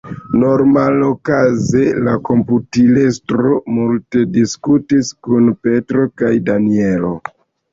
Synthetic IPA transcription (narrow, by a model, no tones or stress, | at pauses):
no̞ɾmalokaze̞lako̞mputilestɾo̞multe̞diskutiskunpe̞tɾo̞kajdanie̞lo̰